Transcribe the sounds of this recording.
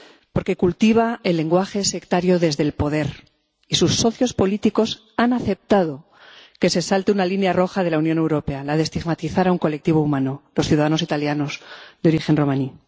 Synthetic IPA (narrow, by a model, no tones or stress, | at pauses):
po̞ɾke̞kult̪iβ̞aelːe̞ŋɡwaxe̞se̞kt̪aɾjo̞ðe̞zðe̞lpo̞ðe̞ɾ | isusːo̞θjo̞spo̞lit̪iko̞s | anaθe̞p̚t̪að̞o̞ | ke̞se̞salt̪eunalinjaro̞xað̞e̞launjo̞ne̞wɾo̞pe̞alaðest̪iɣmat̪iθaɾauŋko̞lek̚t̪iβ̞o̞umãno̞lo̞sθjuðaðano̞sit̪aljano̞zðeo̞ɾixe̞nro̞mãni